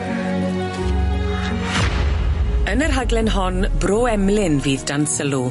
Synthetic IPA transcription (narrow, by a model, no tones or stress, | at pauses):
ənərɦaɡlɛnɦɔnbroːɛmlɪnviːðdansəlˠu